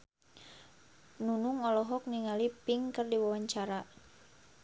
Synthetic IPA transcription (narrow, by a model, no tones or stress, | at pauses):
nunuŋɔlɔɦɔk̚niŋalipɪŋkərdiwawaɲt͡ʃaɾa